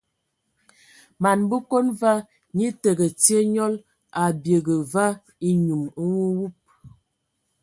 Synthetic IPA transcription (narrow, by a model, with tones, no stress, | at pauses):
ma˨nbə˦ko˦nva˦ | ɲi˦tə˨ɡə˨te˦ɲɔ˦l | a˨bje˨ɡə˨va˦ | i˦ɲu˨mə˦ŋu˦wu˦p̚